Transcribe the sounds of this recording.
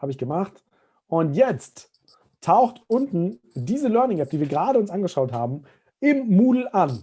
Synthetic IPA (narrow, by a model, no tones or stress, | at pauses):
haːbəɪçɡ̥əmaχt | ʔʊntjɛt͡st | tʰːaʊxtʊntn̩ | diːzəlœɐnɪŋap̚iːviːɐɡəʁaːɾəʊnsʔanɡəʃaʊthaːbm̩ | ɪmːuːdl̩ʔan